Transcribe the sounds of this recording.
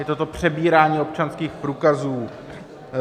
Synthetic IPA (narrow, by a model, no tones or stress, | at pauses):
jɛt̪ot̪o̞pr̝̥ɛbiːɾaːɲiːo̞p̚t͡ʃanskiːxpɾuːkazuː